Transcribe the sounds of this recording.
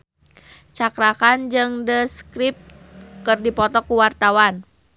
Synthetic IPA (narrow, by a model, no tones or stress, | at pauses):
t͡ʃakɾakand͡ʒɨŋdəskɾip̚ | kɨrdipɔt̪ɔkuwart̪awan